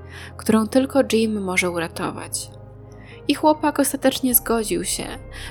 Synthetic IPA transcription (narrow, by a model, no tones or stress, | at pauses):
kt̪uɾɔ̃w̃t̪ɘlkɔd͡ʐimːɔʐɛuɾat̪ɔ̰va̰t͡ɕ | ixwɔpakɔst̪at̪ɛt͡ʂɲɛzɡɔd͡ʑiwɕɛ̰